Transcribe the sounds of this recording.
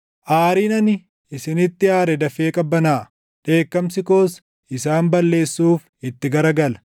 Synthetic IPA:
ʔaːɾiːnɐnɪ | ʔɪsɪnɪt̪ːɪaːɾɛd̪ɐfe̞ːkʼɐbːɐnaː | ᶑe̞ːkːɐmsɪkoːs | ɪsaːmbɐlːe̞ːsːuːf | ɪt̪ːɪɡɐɾɐɡɐlɐ̥

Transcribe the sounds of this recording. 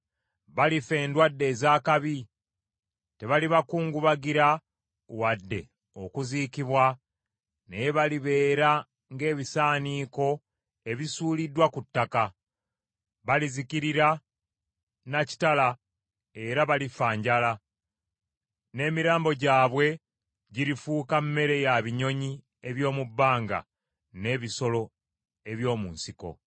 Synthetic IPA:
βalife̞ːndwadːe̞ːzaːkaβi | te̞βaliβakuːŋɡuβaɡiɾa | wadːe̞̰ | okuziːkiβwa | nejβaliβe̞ːɾa | ŋɡe̞ːβisaːniːko̞ | e̞βisuːlidːwakutːaka | βalizikiɾiɾa | naci̥tala | e̞ɾaβalifaːɲɟala | ne̞ːmiɾaːmbo̞ɟaːβwe̞ | ɟiɾifuːkammːe̞ɾe̞jaβiɲo̞ɲi | e̞βjo̞ːmubːaːŋɡa̰ | ne̞ːβiso̞lo̞ | e̞βjo̞ːmuːnsiko̞̰

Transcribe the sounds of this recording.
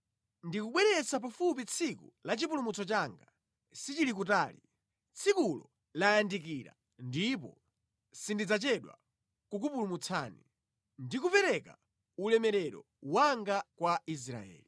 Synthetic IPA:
ndikuɓwɛɾɛsap̬afup̬it͡sʰikṵlat͡ʃip̬ulumut͡sɔt͡ʃaːŋɡa | sit͡ʃilik̬utaːlḭ | t͡sʰikulɔ | lajandik̬iɾa̰ | ndipɔ̰ | sindid͡zat͡ʃɛɗwa̰ | kuk̬upulumut͡sʰaːni | ndikupɛɾɛka̰ | ulɛmɛɾɛɾɔ̰ | waŋɡakwais̬ɾa̰ɛ̰ːli

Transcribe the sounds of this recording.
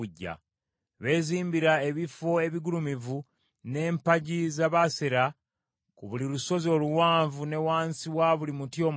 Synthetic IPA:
uɟːa̰ | βe̞ːziːmbiɾae̞βifo̞e̞βiɡulumivu | ne̞ːmpaɟizaβaseɾa | kuβuliɾuso̞zio̞ːluwaːɱvune̞waːnsiwaβulimutjo̞ːm

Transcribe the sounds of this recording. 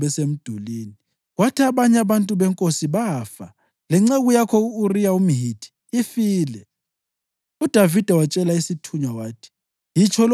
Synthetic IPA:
βɛsem̩d̥ʱuliːni | ɣwatʰaβaɲɛaβantʼuβɛŋkʼosiβafa | lɛŋ͡ǀeɣujakʰɔuːrijaum̩ɦitʰʼi̥ːfiːlɛ | ud̥ʱavid̥ʱɛwat͡ʃʼɛlaisitʰuɲwawaːtʰi̥ | jit͡ʃʰɔl

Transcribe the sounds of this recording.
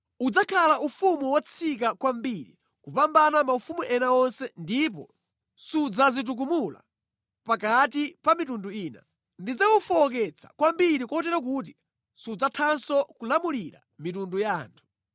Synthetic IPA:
ud͡zakʰalaʔufumuwat͡sʰik̬akwambiɾḭ | kupambanamaufumuʔɛnaɔnsɛndip̬ɔ | sud͡zazit̬uk̬umula̰ | pakatipamitunduiːna̰ | ndid͡zaufɔɔk̬ɛt͡sʰḁ̰kwambiɾikuɔtɛɾak̬uːt̬i | sud͡zatʰansɔkulamuliɾa̰mitundujaːntʰu̥

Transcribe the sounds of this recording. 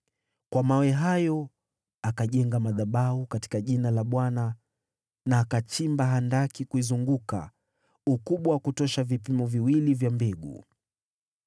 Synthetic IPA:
kwamawɛɦajɔ | akaʄɛŋɡamaðaɓaukati̥kaʄinalaɓwana | naːkat͡ʃimbaɦandakikuizuŋɡuka̰ | ukuɓwawakutɔʃavipimɔviwilivjambɛɡṵ

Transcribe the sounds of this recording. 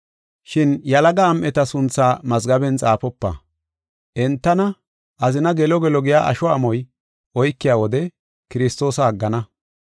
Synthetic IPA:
ʃɪnjɐlɐɡɐːmʔɛt̪ɐsʊnt͡sːaːmɐzɡɐbɛnt͡sʼaːpɔpːɐ̰ | ʔɛnt̪ːɐnɐ | ʔɐzɪnɐɡɛlɔɡɛlɔɡɪjaːʔɐ̰ʃɔɐmɔj | ʔɔjkːɪjaːwɔd̪ɛ | kɪɾɪst̪o̞ːsɐːɡːɐnɐ

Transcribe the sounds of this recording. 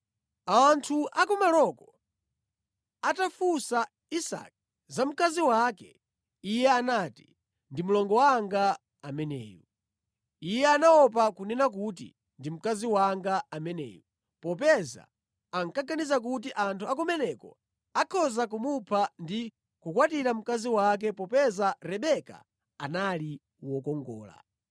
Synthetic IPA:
antʰuakɔmalɔkɔ | atafusa | isa̰k̚ | zam̩kaziwakɛ | ijɛanaːti̥ | ndimulɔŋɡɔwaŋɡa | amɛnɛ̰ːjɔ | ijɛanawɔpakunɛnak̬ut̬ḭ | ndim̩kaziwaŋɡaamɛnɛ̰ːjɔ | pɔpɛza̰ | aŋkaɡanizak̬ut̬iʔantʰuakumɛnɛkɔ̰ | akʰɔzakumupʰandi | kukwatiɾam̩kaziwak̬ɛpɔpɛzaɾɛɓɛka̰ | anali | wɔkɔŋɡɔ̰ːla̰

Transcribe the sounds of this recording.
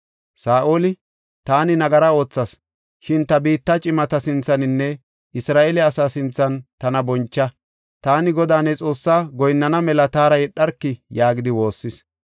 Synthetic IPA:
saːʔoːlɪ | t̪aːnɪnɐɡɐɾɐo̞ːt͡sːɐs | ʃɪnt̪ɐbiːt̪ːɐt͡ʃʼɪmɐt̪ɐsɪnt͡sːɐnɪnːɛ | ɪsɾaːʔɛlɛɐsaːsɪnt͡sːɐnt̪ɐnɐbɔnt͡ʃːɐ | t̪aːnɪɡɔd̪aːnɛt͡sʼo̞ːsːaːɡɔjnːɐnɐmɛlɐt̪aːɾɐjɛɗːɐɾkːɪjaːɡɪd̪ɪwo̞ːsːɪs

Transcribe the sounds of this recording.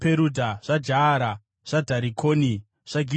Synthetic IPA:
peɾudʱaʐ̥ad͡ʒaːɾa | ʐ̥adʱaɾikʰoːni | ʐ̥aɡʱi

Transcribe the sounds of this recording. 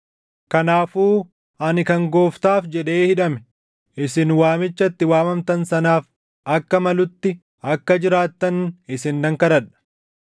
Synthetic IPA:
kɐnaːfuː | ɐnɪkɐŋɡoːft̪aːfd͡ʒɛᶑe̞ːhɪᶑɐmɛ̥ | ʔɪsɪnwaːmɪt͡ʃːɐt̪ːɪwaːmɐmt̪ɐnsɐnaːf | ʔɐkːɐmɐlʊt̪ːɪ | ɐkːɐd͡ʒɪɾaːt̪ːɐnɪsɪnd̪ɐŋkɐɾɐᶑɐ̥

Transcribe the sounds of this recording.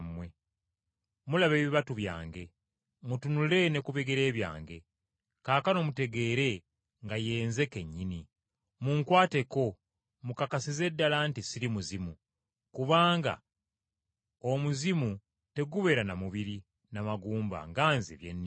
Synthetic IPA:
mwe̞ | mulaβe̞ːβiβatuβja̰ːŋɡe̞ | mutunule̞ne̞kuβeɡeɾe̞ːβja̰ːŋɡe̞ | kaːkano̞mute̞ɡe̞ːɾe̞ | ŋɡaje̞ːnze̞ke̞ɲːini | muŋkwaːte̞ko̞ | mukakasize̞dːalantisiɾimuzimu | kuβaːŋɡa̰ | omuzimu | te̞ɡuβe̞ɾanamuβiɾi | namaɡuːmba̰ŋɡaːnzḛβjḛnːi

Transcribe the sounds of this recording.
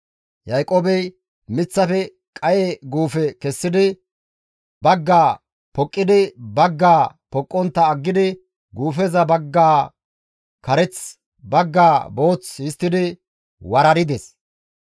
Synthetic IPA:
jɐjkʼoːbɛj | mɪt͡sːɐfɛ | kʼɐjeɡuːfɛkɛsːɪd̪ɪ | bɐɡːaː | pɔkʼːɪd̪ɪbɐɡːaː | pɔkʼːɔnt̪ːɐːɡːɪd̪ɪ | ɡuːfɛzɐbɐɡːaː | kɐɾɛt͡s | bɐɡːaːbo̞ːt͡sɪst̪ːɪd̪ɪ | wɐɾɐɾɪd̪ɛs

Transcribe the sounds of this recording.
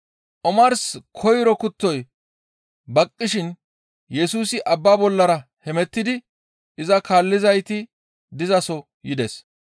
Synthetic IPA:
ʔɔmɐɾskʰɔjɾɔkʊt̪ːɔj | bɐkʼːɪʃɪn | jɛsuːsɪʔɐbːaːbɔlːɐɾɐhɛmɛt̪ːɪd̪ɪ | ʔɪzɐkaːlːɪzɐjt̪ɪ | d̪ɪzɐsɔ | jɪd̪ɛs

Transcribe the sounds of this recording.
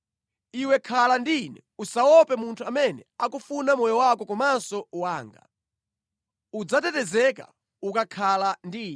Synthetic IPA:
iwɛkʰalandinɛ | usawɔpɛmuntʰuamɛnɛakufunamɔjɔwakɔkɔmasɔwaːŋɡa̰ | ud͡zatɛtɛzɛka̰ | ukakʰalandiːn

